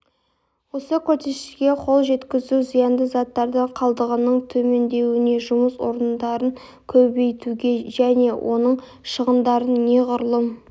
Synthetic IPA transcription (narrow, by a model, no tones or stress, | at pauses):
wo̞səkʲʰɵɾse̞ʃɪɡʲe̞qʰo̞lˠʒe̞t̪kʲɪzuzijɑnd̪əzɑt̪ːɑɾd̪əqʰɑlˠd̪əʁənəɴt̪ʰɵme̞nd̪e̞wɪne̞ʒʊməswo̞̰ɾənd̪ɑɾəŋ | kʲʰɵbe̞jt̪uɡʲe̞ʒæne̞wʔo̞̰nəɴ | ʃəʁənd̪ɑɾənːe̞ʁʊɾlˠəm